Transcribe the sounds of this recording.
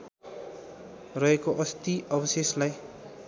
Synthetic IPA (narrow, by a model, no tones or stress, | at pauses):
rʌɦekoʔʌst̪iʌbʌseslaj